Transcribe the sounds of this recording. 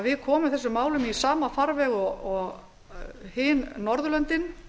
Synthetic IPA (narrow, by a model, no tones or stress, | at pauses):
vɪðkʰɔːmʏmθɛsːʏmːaːwlʏmisaːmafaɾvɛɣɔɔɣ | hɪːnːɔɾðʏlœnt̪ɪn